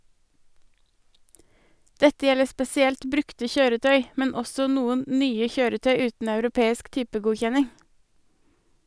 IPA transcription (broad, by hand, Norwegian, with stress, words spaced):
ˈdɛtə ˈjɛlə spɛsɪˈɛlt ˈbɾʉktə ˈçøːɾəˌtœʏ ˈmɛn ˈɔsɔ ˈnuːən ˈnyːə ˈçøːɾəˌtœʏ ˈʉːtn̩ ɑʉɾʊˈpeːɪsk ˈtyːpəˌɡuːçɛnɪŋ